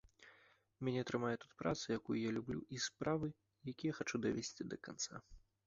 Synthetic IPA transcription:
mʲanʲɛt̪ɾɨmajɛt̪ut̪pɾʔa̰t̪sɨjakujujalʲublʲṵʔispɾavɨ | jakʲijɐxat͡ʂud̪ɐvʲesʲt͡sʲid̪ɐkant̪sa̰

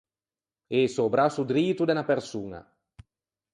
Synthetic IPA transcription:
esobɾasud̪ɾiːt̪ud̪enapersuːna̰

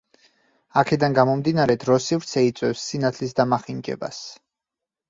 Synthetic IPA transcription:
akʰɛd̪anɡamɔmd̪inaɾɛd̪ɾɔsivɾt̪sʰɛit̪sʼwɛfsːinat̪ʰlisd̪amaχind͡ʒɛ̰ba̰s

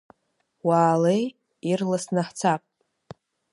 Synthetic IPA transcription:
waːlej | irlasnaħt͡sʰapʼ

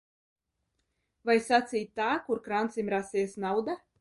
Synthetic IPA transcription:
vajsat̪siːt̪t̪ːaːkuɾkɾant̪simʲɾasiːsnawd̪a

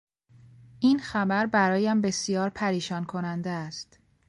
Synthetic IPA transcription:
ʔiːnxæbæɾbæɾɒːjæmbe̞sijɒːɾpʰæɾiːʃɒːnkʰo̞nænd̪eæst̪

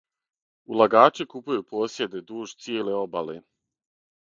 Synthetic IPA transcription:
ulˠaɡaːt͡ʃekupujupoːsje̞d̪e̞d̪uːʒt̪sjeːle̞obalḛ

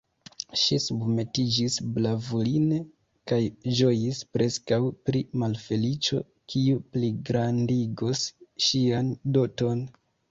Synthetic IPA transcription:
ʃisubme̞tid͡ʒisblavuline | kajd͡ʒo̞jispɾe̞skawpɾimalfe̞lit͡ʃo̞̰ | kʰiupliɡɾandiɡosʃiando̞to̞n

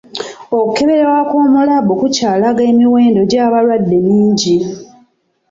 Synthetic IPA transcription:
o̞kuke̞βe̞ɾewakoːmulabokucaːlaɡe̞ːmiwe̞ːndo̞ɟaːβalwadːe̞niːɲɟi

